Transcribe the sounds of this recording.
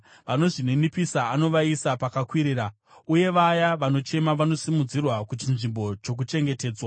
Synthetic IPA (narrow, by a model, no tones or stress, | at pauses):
ʋano̞ʐinenipisaːno̞ʋaisapakakwiɾiːɾa | uje̞ʋajaʋano̞t͡ʃe̞maʋano̞simud͡zirwakut͡ʃinʐimbo̞t͡ʃo̞k̬ut͡ʃe̞ŋɡe̞te̞ːd͡zwa